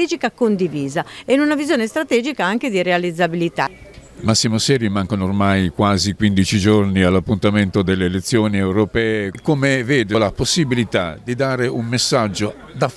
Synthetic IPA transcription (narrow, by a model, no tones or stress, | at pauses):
ɛd͡ʒikakond̪iviːzaɛnunavizjoːnest̪ɾat̪ɛːd͡ʒikaaŋk̟ed̪iɾealid̪zːabilit̪amasːimosɛːɾimaŋkanoːrmajkwaːzikwind̪it͡ʃid͡ʒornialːapːunt̪ament̪od̪elːeːlet̪sːjoːniɛwɾopɛːekomeveːd̪olaposːibilit̪a̰d̪id̪aːɾeʔumːesːad͡ʒːo | d̪a